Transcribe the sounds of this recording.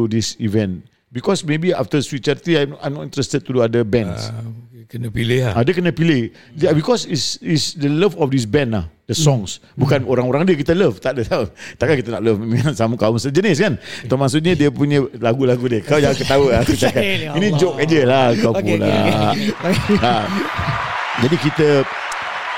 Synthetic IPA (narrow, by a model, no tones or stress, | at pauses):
udisivɛ̃n | bikɔsmebia̰ft̪əswit̪̚t͡ʃaɾt̪iajma̰jmnɔtĩnt̪ɾɛst̪əd̚t̪uduadəbɛ̃nskənəpileadəkənəpile | dbikɔsisisdələfɔfdis̬bɛ̃nahdəsɔ̃ŋs | bukanoɾaŋoɾaŋdiəkit̪ələft̪aʔdət̪aot̪aʔkakit̪ənaʔləfiasamukaʊmsəd͡ʒənɪskant̪əmasʊt̪̚ɲədiəpuɲə̃laɡulaɡudiəkaawd͡ʒaŋãnkət̪auakusiakainĩd͡ʒokkand͡ʒəlakawpula̰ | a | d͡ʒadikit̪ə